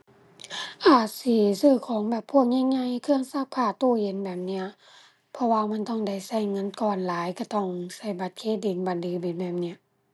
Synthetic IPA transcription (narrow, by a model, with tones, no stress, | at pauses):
ʔaː˨˩t̪̚si˧˦sɯː˧˩˨kʰɔː˨˦ŋbɛː˨˩pʰːu˧˩ək̚ɲa˧˨ŋɲa˧˨jkʰɯ˧əŋsa˧˩k̚kʰaː˧˩t̪oː˧˩je˨˦nbɛː˨˩p̚ni˧ɐ | pʰɔ˧waː˧ma˧˥˨nt̪ɔ˧˩ŋda˧˩jsa˧˩jŋɤ˧˥˨nkɔː˨˩nlaː˨˦jka˧˩t̪ɔ˧˩ŋsa˧˩jba˧˦t̪̚kʰeː˧˥di˨˦nba˨ndɯː˨˦bi˨˦nbɛː˨˩p̚ni˧˩ɐ˨ʔ